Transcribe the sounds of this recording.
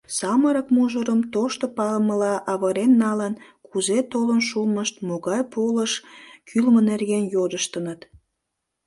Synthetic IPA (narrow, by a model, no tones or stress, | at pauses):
sɑməɾəkmuʒəɾəmt̪oʃt̪opɑlməlɑʔɑβəɾenːɑlənkuzet̪olənʃulməʃt̪̚moɣɑjpoləʃkʰylmənerɣenjod̪əʃt̪ənət̪